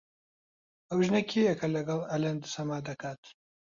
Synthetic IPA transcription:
ɐwʒnɐkʰiɐkʰɐlɐɡɐlɐlɐnd̪ɨsɐmaːd̪ɐkʰaːt̪

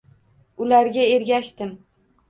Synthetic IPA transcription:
ʊlaɾɡʲae̞ɾɡʲaʃt̪ɪm

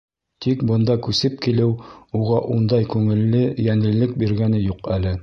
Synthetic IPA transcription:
t̪ikbɤ̆nd̪ɑkʉsɘp̚kilɘwuʁɑʔund̪ɑjkʉŋɘ̆lːɘjæŋɘ̆lːɘk̚biɾɡænɘjuqælɘ

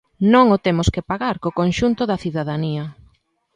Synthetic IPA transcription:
nõŋʊt̪emʊskɪpaɣaɾkokonʃunt̪ʊðɐθiðaðaniɐ

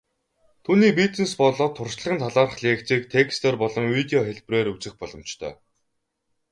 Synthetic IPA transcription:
t̪ʰuːniːp̬it͡s̪n̆spɔɮɔːt̪ʰːʊrʃɮə̆χə̆nt̪ʰaɮaːrə̆χɮʲiːkt͡siːk̚t̪ʰekst̪ʰeːrpɔɮɞ̆mwit̪eɔxeɮpreːɾut͡sɘ̆xpɔɮɞ̆m̥t͡ɕt̪ʰœ̰ː

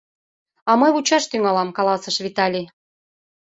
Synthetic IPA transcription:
ɑmɤjut͡ɕɑʃt̪yŋɑlɑmkɑlɑsə̆ʃβit̪ɑlʲi

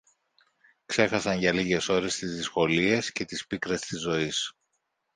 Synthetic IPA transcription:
kse̞xɐsɐnʝɐliʝe̞so̞ɾe̞st̪izðisxo̞lie̞sce̞t̪ispikɾest̪izːo̞is

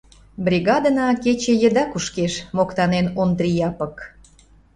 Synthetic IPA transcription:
bɾʲiɣɑd̪ənɑket͡ɕejə̆d̪ɑkuʃkeʃmokt̪ɑnenond̪ɾʲijɑpə̆k

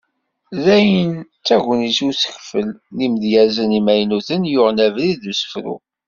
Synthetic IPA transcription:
ðæjənt͡sːæʝʷənisusə̥çfəlːimðjæzənimæjnuθənjʊʁnævliðusə̥fɾṵ

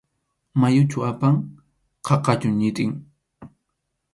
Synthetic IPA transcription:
majʊt͡ʃʊapaŋ | qʰɑqɑt͡ʃʊŋɲɪt̪ʼɪŋ

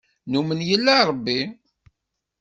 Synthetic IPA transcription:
numənjəlːæɾˤbːi

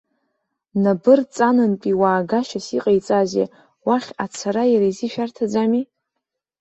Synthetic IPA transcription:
nabɨrt͡sʼanɨnpʼiwaːɡaʃasiqʼajt͡sʼazḛ | waχʲat͡sʰaɾajaɾaiziʃᶣartʰad͡zami

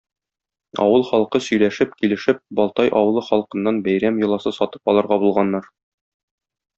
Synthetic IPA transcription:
ɒ̰wɤlˠχɒlˠqɤsɵ̆jlæʃɘpkilɘ̆ʃɘp̚bɒlˠt̪ɑjʔɒwɤ̆lˠɤχɒlˠqɤ̆nːɑnbæjɾæmjɤ̆lˠɑsɤsɒt̪ɤ̥pɒlˠɤ̆ɾʁɑbulˠʁɑnːɑɾ

